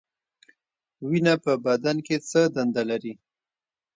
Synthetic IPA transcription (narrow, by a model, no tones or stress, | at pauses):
winapəbad̪anket͡səd̪and̪alaɾi